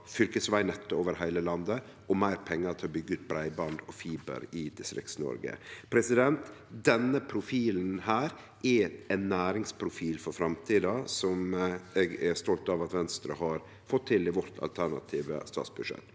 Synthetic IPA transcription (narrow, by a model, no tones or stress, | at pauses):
fʏlkəsʋæɪnɛt̪ːʊoːʋəɾɦæɪləlɑnd̪ə | ʔɔmæɪɾpʰɛŋːət̪ʰɪlɔbʏɡːət̪̚bɾæɪbɑnd̪ɔfiːbə̰ɾɪd̪̥ɪst̪ɾɪ̰ksnɔ̰ɾɡə̰pʰɾɛsɪd̪ɛnt̪ | d̪ɛnːəpʰɾʊfiːln̩hæːɾ | ʔɛæɪnːæːɾɪŋspʰɾʊfiːlfɔɾfɾɑmt̪ʰiːd̪ɑsɔmɛɡɛst̪ɔlt̪ɑʋɑt̪ʋɛnst̪ɾəhɑɾ | fɔt̪ʰːɪlɪʋɔɾt̪ʰɑ̰lt̪ʰæɳɑ̰t̪ʰiːʋə̰st̪ɑ̰ːt̪sbʉʂɛ̰t̪ː